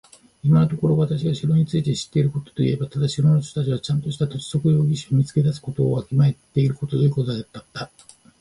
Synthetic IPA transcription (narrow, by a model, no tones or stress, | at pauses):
imanot̪o̞ko̞ɾo̞βat̪aɕiɡaɕiɾo̞ɲ̟it͡sɨit̪e̞ɕi̥t̪ːe̞iɾɯ̟ko̞t̪o̥t̪o̞ḭe̞bat̪ad̪aɕiɾonoɕ̬t̪ot̪at͡ɕiβat͡ɕãnt̪o̞ɕi̥t̪at̪o̞si̥so̞kɯ̟jo̞ːɡʲiɕiomʲit͡sɨ̥ke̞d̪asɨ̥ko̞t̪o̞̰ːakʲimae̞t̪ːe̞iɾɯ̟ko̞t̪od̪oji̟ko̞t̪oaat̪ːat̪ːa